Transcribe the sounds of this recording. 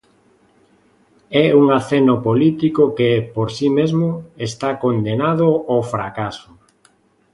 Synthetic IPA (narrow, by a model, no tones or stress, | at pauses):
ɛuŋaθenopolit̪ikokepoɾsimezmoest̪akond̪enaðoofɾakasʊ